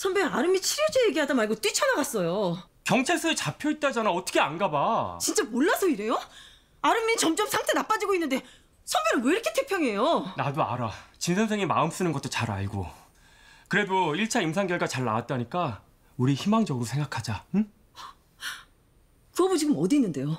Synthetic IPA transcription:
sʰʌmbjʌɾaɾɯmit͡ɕʰiɾjʌd͡ʑejeɡeɦadamaɭɡot͈wit͡ɕʰʌnaɡas͈ʌjo | kjʌŋt͡ɕʰeɭs͈uet͡ɕapʰjoit̚t͈ad͡ʑanaʌtʰʌkʰeanɡabat͡ɕint͡ɕ͈amoɭːasʰʌiɾe̞jo | aɾɯmːit͡ɕʌmt͡ɕ͈ʌmsʰaŋtʰenap͈ad͡ʑiɡoinːɯnde̞ | sʰʌmbjʌnɯnwʌiɾʌkʰe̞tʰe̞pʰjʌŋe̞jonadoa̰ɾat͡ɕinsʰʌns̬ʰeŋima̰ɯms͈ɯnɯnɡʌt͈ot͡ɕaɾa̰ɭɡo̰ | kɯɾe̞doiɭt͡ɕʰaimsʰaŋɡjʌɭɡat͡ɕaɭːa̰wat̚t͈aɲik͈a | uɾiçimaŋd͡ʑʌɡɯɾosʰe̞ŋɡakʰad͡ʑa | kɯʌbod͡ʑiɡɯmʌdinːɯnde̞jo

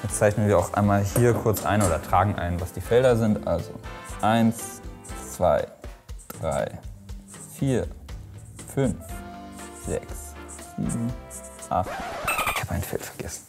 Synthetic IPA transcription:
jɛt͡st͡saɪçnənviːɐaʊxʔa̰ɪnmaːlhiːɐkʰʊɐt͡sʔa̰ɪnoːdɐtʁ̥aːɡŋ̩ʔa̰ɪnənvasd̥iːfɛldɐzɪntʔa̰lzo̰ʔaɪnst͡sv̥a̰ɪd̥ʁa̰ɪ | fiːɐ | fʏnf | z̥ɛ̰ksz̥ḭːbm̩ | ʔa̰χtɪçhaːbəʔaɪnfɛ̰ltfɛɐɡ̥ɛsn̩

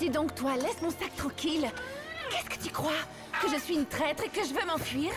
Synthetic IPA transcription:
d̪̥id̪ɔ̃kt̪walɛsmɔ̃sak̚t̪χɑ̃kʲilkɛskə̥t̪ykχwa | kəʒəsɥiynt̪χɛt̪χekəʒəvømɑ̃fɥiːʁ

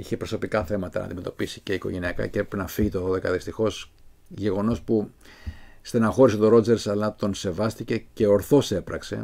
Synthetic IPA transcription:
içe̞pɾo̞so̞pikɐθe̞mɐt̪ɐ̰nʔɐ̰nd̪imet̪opisi̥ce̞iko̞ʝe̞niɐkɐ̰ceepɾepenɐfiʝit̪oðoðe̞kɐðist̪ixo̞s | ʝe̞ɣo̞no̞spu | st̪enɐxo̞ɾiset̪o̞ɾo̞d͡ze̞ɾsɐlɐt̪o̞nse̞vɐst̪ice̞ce̞o̞ɾθo̞se̞pɾɐkse̞̰

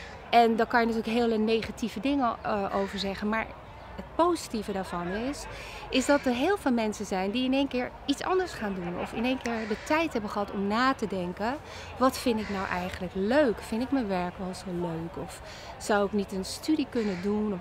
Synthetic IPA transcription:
ɛndɔkɑnjənatyːɹləkɦɪːlˠənejχativədɪŋəʔowvəɹzɛχənmaːɹ | ət̚powzitivədaːɹv̥ɑnɪs | ɪzdɑtəɹɦɪːlˠvɪːlˠmɛnsənzɛjndiɪnejnkɪːɹ | itsɑ̰ndəɹsχaːndunɔ̰fɪnejnkɪːɹdətɛjtɦɛbəχəɦɑtɔmnaːtədɛŋkə | ʋɑtfɪntɪknawʔɛjχənləkløɥkfɪntɪkmənʋɛɹkʋɛlˠzoløːkɔf | sawɪknitənstydikɵnədun

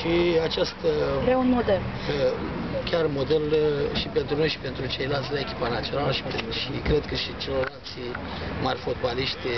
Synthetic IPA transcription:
ʃiat͡ʃast̪ɾaunmod̪el | kʲarmo̞d̪elʃipe̞nt̪ɾuno̞jʃi̥pe̞nt̪ɾut͡ʃe̞jlalt̪sʲlaekʲi̥panat̪sʲio̞naləʃi̥peʃikɾe̞d̪kəʃit͡ʃelo̞rlalt̪sʲi | marʲfot̪baliʃt̪ʲ

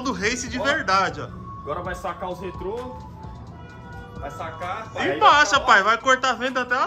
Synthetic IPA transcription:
d̪ʊɦejsɪd͡ʒɪveɾd̪ad͡ʒɪɐ̰ | aɡɔɾɐvajsakaʊshet̪ɾo | vajsakaipaʃɐpajvajkoɾt̪avẽd̪ɐat̪ɛa

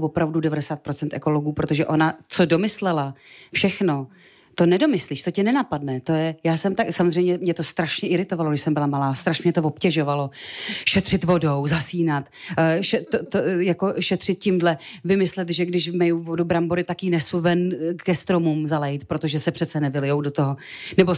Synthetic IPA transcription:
vopɾavdudɛvadɛsaːt̪̚pɾo̞t͡sɛnt̪ʔɛko̞loɡuːpɾo̞t̪o̞ʒɛʔo̞nat͡so̞do̞mɪslɛlafʃɛxno̞ | t̪o̞nɛdo̞mɪsliːʃt̪o̞cɛnɛnapadnɛt̪o̞jɛjaːsɛmt̪aksamozrɛjmɲɛmɲɛt̪o̞st̪ɾaʃɲɛʔɪɾɪt̪ovaloɡndɪʃsɛmbɪlamalaːst̪ɾaʃmɲɛt̪ovo̞pcɛʒo̞valo̞ʃɛt̪r̝̥ɪt̪vo̞do̞wzasiːnat̪ːʃɛt̪ot̪ojako̞ʃɛt̪r̥ɪt̪̚cɪmdlɛvɪmɪslɛt̪ʒɛɡdɪʃmɛjuvo̞dubɾamboɾɪt̪akinɛsuvɛnkɛst̪ɾo̞mumzalɛjɪt̪pɾot̪o̞ʒɛsɛpr̝̥ɛt̪t͡sɛnɛvɪlɪjowdot̪oɦonɛbo̞

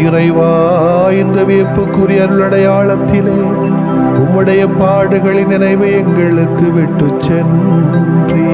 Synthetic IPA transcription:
ɪrɐɪʋaː | jɪnd̪ɐʋeːpːɯkːuɾɪjɐɾɯɭːɐɽɐjaːɭɐt̪ːɪleː | ʊmːɯɽɐjɐpːaːɽɯɣɐɭɪnɪnɐɪʋɯɛŋɡɐɭɯkːɯʋɪʈːɯt͡ʃːɛn | dri

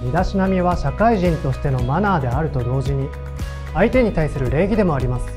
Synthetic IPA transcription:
mʲid̪aɕinamʲiβaɕakaiʑĩnt̪o̞ɕi̥t̪e̞no̞manaːd̪e̞aɾɯ̟t̪o̞d̪o̞ːʑiɲ̟i | ait̪e̞ɲ̟it̪aisɨɾɯ̟ɾe̞ːɡʲid̪e̞mo̞aɾʲimasɨ̥

